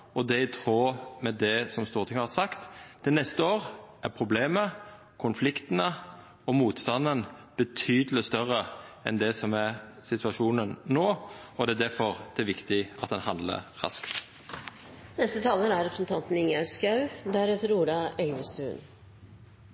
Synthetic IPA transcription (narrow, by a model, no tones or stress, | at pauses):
ɔd̪ɛɪt̪ʰɾoːmɛd̪ɛsɔmst̪uːʁt̪ʰɪŋəhɑsɑkt̪d̪̥ɛnɛst̪əoːʁæɾpʰɾʊbleːmə | kʰʊnflɪkt̪ənə | ɔmuːt̪st̪ɑnːənb̥ət̪ʰyːd̪əlɪst̪œɾəɛ̰nd̪ɛsɔmæɾ | sɪt̪ʰʉɑʃuːnənːoːɔd̪ɛæd̪æɾfɔɾd̪̥ɛæɾʋɪkt̪ɪɑt̪̚d̪ɛnhɑnd̪lə̰ɾɾɑ̰skt̪ | nɛst̪ət̪ʰɑːləɾæɾɛpɾsnt̪ʰɑnt̪n̩ɪŋæɾskɑʉd̪æɾɛːt̪əɾuːɖ̪ɑɛɪʋəst̪ʉːn